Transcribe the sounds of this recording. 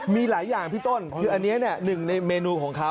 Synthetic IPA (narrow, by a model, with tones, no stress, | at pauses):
miː˧laː˩˦jːaː˨˩ŋpʰiː˥˩t̪o˥˩nkkʰɯː˧ʔa˧nːi˦˥ɐni˥˩ɐnɯ˨˩ŋna˧jmeː˧nuː˧kʰɔː˩˦ŋkʰa˦˥w